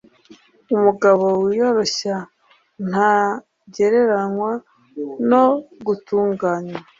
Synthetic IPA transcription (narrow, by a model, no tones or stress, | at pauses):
umuɡaβo̞wijo̞ɾo̞ɕa | n̥a | ɟe̞ɾe̞ɾanwa | no̞ɡutuːŋɡaːɲwa